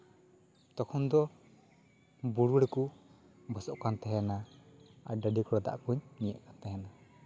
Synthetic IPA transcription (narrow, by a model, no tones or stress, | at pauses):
t̪ɔkʰɔnd̪ɔ | buɽuɾɛku | bʱasɔʔkant̪aɦɛnaa̰ɾɖaɖikɔɾɔd̪a̰ʔkuɲniɛ̰ʔkant̪aɦɛna